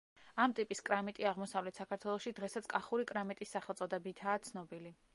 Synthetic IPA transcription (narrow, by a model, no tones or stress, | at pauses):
amt̪ʼipʼiskʼɾamit̪ʼiaʁmɔsavlɛt̪ʰsakʰaɾt̪ʰwɛlˠɔʃid̪ʁɛsat̪sʰkʼaχuɾikʼɾamit̪ʼisːaχɛlˠsʼɔd̪ɛbit̪ʰaːt̪sʰnɔbili